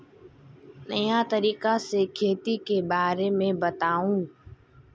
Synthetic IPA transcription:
nəjãːt̪əɾiːkaːseːkʰeːt̪iːkeːbaːɾeːmẽːbət̪aːũː

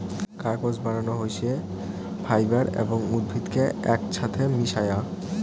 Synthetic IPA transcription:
kaɾkod͡ʑbaɽanoɦojʃie | fʰajbaɾḛboŋud̪̚bʱit̪keɛkʃʰat̪ʰemiʃaja

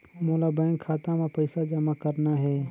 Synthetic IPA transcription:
moːlabɛ̃ːŋkʰːaːt̪ãmẽpɐɪsad͡ʒɐmakɐɾnaɦɛː

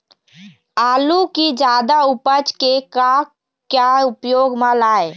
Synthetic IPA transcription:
aːlukid͡ʒaːd̪aupət͡ʃkeka | kjaʊpjoːɡmãlaːe

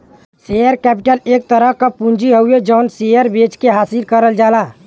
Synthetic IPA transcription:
sejəɾkɛːpɪʈəleːk̚t̪əɾəɦkapũnd͡ʒiɦəued͡ʒəʊnsejəɾbet͡ʃkeɦaːsiɾkəɾəld͡ʒaːlaː

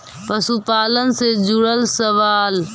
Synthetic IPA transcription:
pəsupaːlənsed͡ʒʊɽəlsəʋaːl

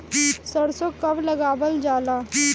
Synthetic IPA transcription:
səɽsokɐblɐɡaːbəld͡ʒaːlaː

